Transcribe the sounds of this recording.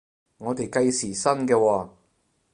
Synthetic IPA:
ŋɔː˨˧t̪e˨jkɐ˧jsiː˨˩sɐ˥nkɛː˧wɔː˧

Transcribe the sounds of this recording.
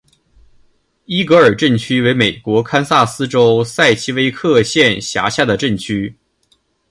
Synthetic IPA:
i˥kɤ˧˥ə˞˨˩ʈ͡ʂə˥˩nt͡ɕʰy˥we˧˥ɪme˨˩ɪkwɔ˧˥kʰa˥nsa˥˩sɹ̩˥ʈ͡ʂo˥ʊsa˥˩ɪt͡ɕʰi˥we˥ɪkʰɤ˥˧ɕjɛ˥˩nɕja̰˧˥ɕja˥˩d̪ə˩ʈ͡ʂə˥˩nt͡ɕʰy˥

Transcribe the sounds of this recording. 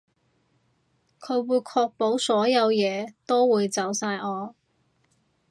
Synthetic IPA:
kʰɵ˨˧ɥwuː˨˧jkʰɔː˧k̚po˨˥wsɔː˨˥jɐ˨˧wjɛː˨˧t̪o˥wwuː˨˧jt͡sɐ˨˥wsaː˧jɔː˨˧

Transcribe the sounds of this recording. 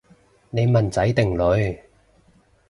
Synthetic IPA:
ne˨˧jmɐ˨˩nt͡sɐ˨˥jt̪ɪ˨˩ŋlɵ˨˧ɥ

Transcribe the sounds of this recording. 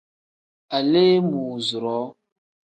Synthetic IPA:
a˨leː˦muː˨zu˨ɾɔ˨˦

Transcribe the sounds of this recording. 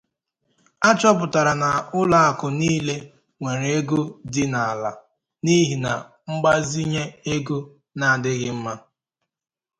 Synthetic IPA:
a˦t͡ʃɔ˦p̬ʊ˨ta˨ɾa˨na˨ʊ˦la˦a˨kʊ˨niː˦le˦ | ŋʷe˨ɾe˨e˦ɡu˦dɪ˦na˨a˨la̰˨ | ni˦ɦi˨na̰˨ | ŋ͡m̩˦ɡ͡ba˦zi˦ɲe˦e˦ɡu˦ | na˦˨a˨dɪ˦ɣɪ˦m̩˦ma˦

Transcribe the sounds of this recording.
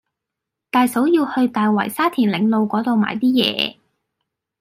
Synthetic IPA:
t̪aː˨jso˨˥wjiː˧whɵ˧ɥt̪aː˨jwɐ̰˨˩jsaː˥t̪ʰiː˨˩nlɪ˨˧ŋlo˨˧wkʷɔː˨˥t̪o˨˧wma̰ː˨˩jt̪iː˥jɛ̰ː˨˧

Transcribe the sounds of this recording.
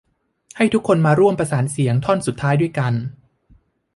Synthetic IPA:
ha˥˩jt̪ʰu˦˥kʰːo˧nmaː˧ɾu˥˩əmpɾa˧saː˩˦nsi˩˦əŋt̪ʰɔ˥˩nsu˨˩t̪ʰːaː˦˥jdu˥˩əjka˧n

